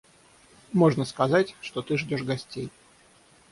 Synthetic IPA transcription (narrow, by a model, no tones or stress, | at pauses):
mo̞ʐnəskɐzatʲʂt̪ot̪ɨʐdʲo̞ʂɡɐsʲtʲej